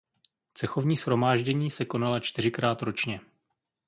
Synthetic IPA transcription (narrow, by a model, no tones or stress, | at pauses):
t͡sɛxo̞vɲiːsxɾo̞maːʒɟɛɲiːsɛko̞nalat͡ʃt̪ɪr̝ɪkɾaːt̪ɾo̞t͡ʃɲɛ